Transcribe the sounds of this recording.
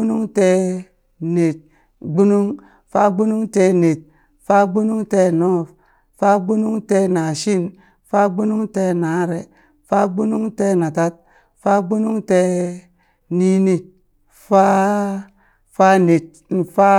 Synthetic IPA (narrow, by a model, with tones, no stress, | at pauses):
u˦nu˦ŋtɛ˦ | ne˨t̚ | ɡ͡bu˦nu˦ŋ | fa˦ɡ͡bu˦nu˦ŋtɛ˦ne˨t̚ | fa˦ɡ͡bu˦nu˦ŋte˦nɔ˦˨f | fa˦ɡ͡bu˦nu˦ŋtɛ˦na˨ʃi˦n | fa˦ɡ͡bu˦nu˦ŋte˦na˨˦ɾe˨ | fa˦ɡ͡bu˦nu˦ŋte˦na˨ta˦t̚ | fa˦ɡ͡bu˦nu˦ŋte˦ | ni˦ni˦t̚ | fa˦ | fa˦ne˨t̚fa˦